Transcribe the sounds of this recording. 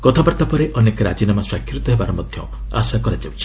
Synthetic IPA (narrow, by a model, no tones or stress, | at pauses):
kɔt̪ʰabaɾt̪apɔɾeʔɔnekɾa̰d͡ʒinamaswakʰːɾut̪ɔɦebaɾɔmɔd̪ʱjɔ̰ | a̰sakɔɾad͡ʒawt͡ʃʰi̥